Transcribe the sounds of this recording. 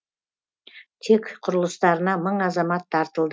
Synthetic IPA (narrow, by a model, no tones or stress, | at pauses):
t̪ʰe̞kqʰʊɾəlˠəst̪ɑɾənɑməɴɑzɑmɑt̪ʰːɑɾt̪əlˠd̪